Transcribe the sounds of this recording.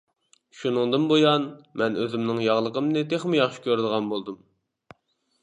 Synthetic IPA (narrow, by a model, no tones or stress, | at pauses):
ʃunɨŋd̪ɨnbojɑnmɛnøzɪmnɪŋjɑʁlˠəqəmnɨt̪ʰeχmɪjɑχʃi̥kʲʰøɾd̪əʁɑnbolˠd̪um